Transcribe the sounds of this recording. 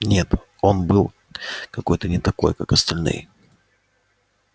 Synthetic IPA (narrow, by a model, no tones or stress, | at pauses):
nʲe̞t̪ | o̞nbɨlˠ | kɐko̞jt̪ənʲɪt̪ɐko̞̰jkakɐst̪ɐlʲnɨ̰j